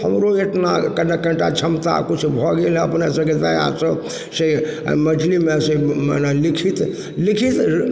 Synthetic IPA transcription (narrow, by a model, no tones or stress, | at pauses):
həmɾoeʈʰnakənekəɳʈat͡ʃʰəmt̪a̰kut͡ʃʰubʱɔɡel̃əpnesəbked̪aja̰sə | sḛmət͡ʃʰlimesemnelikʰit̪ | likʰit̪